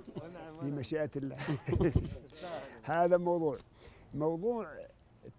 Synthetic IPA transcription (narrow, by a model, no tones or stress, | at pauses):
fimaʃaʔt̪lːa̰ | haːðamɑwðˤuːʕ | mɑwðˤuːʕ